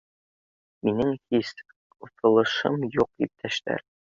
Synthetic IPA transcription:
minɘŋhis | ut̪ɤ̆lˠɤ̆ʃɤmjuq̚ip̚t̪ʰæʃt̪æ̰ɾ

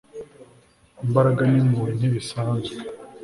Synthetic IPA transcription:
imbaɾaɡanimuɾin̥iβisaːnzwe

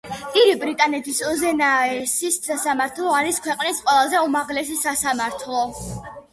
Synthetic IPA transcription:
p̪ʼiɾibɾit̪ʼanɛt̪ʰisɔzɛnaɛsisasamaɾt̪ʰlˠɔaɾiskʰwɛqʼnisqʼwɛlˠazɛumaʁlɛsisasamaɾt̪ʰlˠɔ

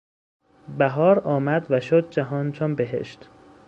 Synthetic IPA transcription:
bæɦɒːɾɒːmæd̪væʃod̪̚d͡ʒæɦɒːnt͡ʃʰonbeɦḛʃt̪

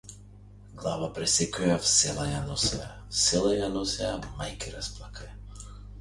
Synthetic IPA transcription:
ɡlˠavapɾɛsɛkɔjafsɛlˠajanɔsɛ̰a | sɛlˠajanɔsɛjamajkiɾasplˠakʰaja

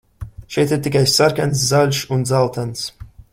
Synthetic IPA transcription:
ʃɛjt̪iɾt̪ikajsaɾkans̬zalʲʃund̪zalˠt̪ans

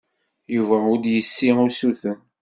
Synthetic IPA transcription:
juvæʊd̪jəsːiʊsuθən

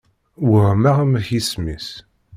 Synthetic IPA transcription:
wəʁmæʁmçismis

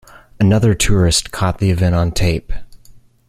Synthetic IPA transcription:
ɨnʌðə˞tʰʊɹɨstkʰɔt̪̚ðiɨvɛ̃ɾ̃n̩tʰeɪp

